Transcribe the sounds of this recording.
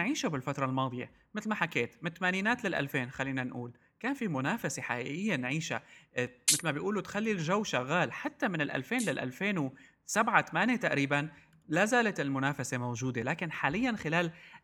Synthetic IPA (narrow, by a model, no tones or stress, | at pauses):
ʕiːʃabɪlfat̪ɾˤɑlmɑːd̪ˤɨjḛ | mɪt̪lmaħakeːt̪mɪnt̪maːniːnaːt̪lalʔa̰lfeːnxalːiːnanʔuːl | kaːnfimʊnaːfaseħaʔḭʔɪjːenʕiːʃa̰mɪt̪lmabɪjʔuːlut̪xalːilʒawːʃaɣːaːlħat̪ːamɪnɪlʔa̰lfeːnlɪlʔa̰lfeːnw | sabʕat̪amaːnjet̪aʔɾiːban | lazaːlat̪ɪlmʊnaːfasemowʒuːd̪elaːkɪnħaːlɪjːanxɪlaːl